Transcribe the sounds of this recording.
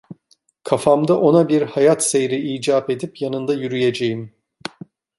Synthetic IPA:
kʰafamd̪aʔo̞nabiɾhajat̪se̞jɾiiːd͡ʒaːpe̞d̪ipjanɯnd̪ajyɾyje̞d͡ʒe̞jim

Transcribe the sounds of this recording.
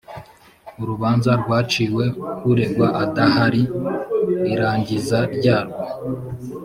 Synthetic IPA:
uɾuβaːnzaɾɡwaːt͡ʃiːwe̞kuɾe̞ɡwaʔatahaɾi | iɾaːɲɟizaɾɟaːɾɡo

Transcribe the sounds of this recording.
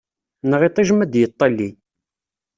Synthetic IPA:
nʁit̪ˤiʒmæd̪jət̪ˤːɑlːi

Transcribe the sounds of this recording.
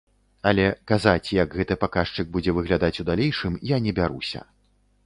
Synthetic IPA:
alʲɛkazat͡sʲjɐɡɣɛt̪ɨpakaʂt͡ʂɨɡ̚bud͡zʲɛvɨɣlʲad̪at͡sʲud̪alʲejʂɨmjanʲɛbʲaɾusʲɐ̰

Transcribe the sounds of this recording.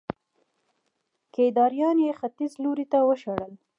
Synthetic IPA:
ked̪ɑɾijɑnjexat̪izloɾit̪awəʃaɽəl

